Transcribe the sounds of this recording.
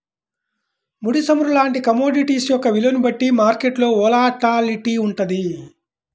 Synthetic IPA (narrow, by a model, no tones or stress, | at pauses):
muɽisɐmuɾulaːɳʈikɐmoːɖiʈiːsjɔkːɐʋilɐnubɐʈːimaːɾkeʈlo̞ːɔːlaːʈaːliʈiuɳʈɐd̪i